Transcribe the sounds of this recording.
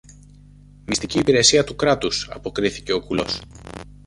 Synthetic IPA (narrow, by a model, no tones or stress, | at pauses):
mist̪iciːpiɾe̞siɐt̪ukɾɐt̪usɐ̰po̞kɾiθice̞o̞kulo̞̰s